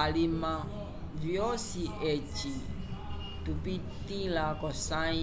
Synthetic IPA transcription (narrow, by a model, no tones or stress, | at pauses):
alimã | vjɔsiʔɛt͡ʃi | tupit̪ĩlakɔsã